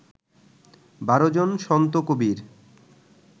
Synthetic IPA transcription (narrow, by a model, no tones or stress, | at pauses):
baɾod͡ʑonʃɔnt̪okobiɾ